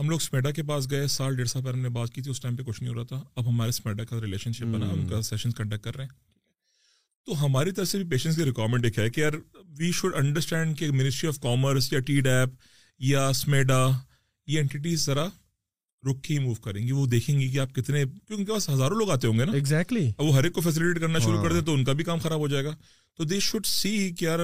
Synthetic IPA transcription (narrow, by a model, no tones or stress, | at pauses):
ɦɐmloːɡsmeːɖak̬ep̬aːs̬ɡɐesaːlɖeːɽsaːlp̬ɛɾɦɐmnebaːt̪̚kiːt̪ʰiʊsʈãɪmpekʊt͡ʃʰnəɦĩɦoːɾaːt̪ʰaɐbɦɐmaːɾesmeːɖakaɾɪleːʃə̃nʃɪp̚bɐnaʊ̃nkasɛʃə̃nskɐ̃ɳɖɛk̚ːɐɾːɐɛ̃ː | t̪oɦɐmaːɾit̪ɐɾəfsebʱipeːʃə̃nʈs̬kiɾɪkwaːɾmɛ̃ɳʈeːkɦɛkijaːɾʋiːʃʊɖɐ̃ɳɖəɾsʈɛ̃ːɳɖkemɪnɪsʈɾiɔːʋkɔːməɾsjaʈiːɖɛːp | jasmeːɖa | jeɛ̃ɳʈɪʈ̬iːzzɐɾa | ɾʊkʰːiimuːʋkɐɾẽːŋɡiʋod̪eːkʰẽːŋɡik̬iaːp̚kɪt̪nekjõeʊnkepaːsɦɐzaːɾõloːɡaːt̪̬eɦõːŋɡeːnaɪɡzɛk̚ʈliʋoɦɐɾeːkːofɛːs̬ɪlɪʈeːʈ̚kɐɾnaʃʊɾukɐɾt̪ẽt̪oʊnkabʱikaːmxɐɾaːbʱɦoːd͡ʒaːeːɡaː | t̪od̪eːʃʊɖsiːkjaːɾ